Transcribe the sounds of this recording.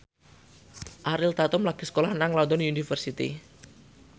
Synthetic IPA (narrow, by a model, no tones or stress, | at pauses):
ʔaɾɪlt̪at̪ʊmlaɡ̥i̤sə̥kolahnaŋlɔnd̪ɔnunifərsit̪ḭ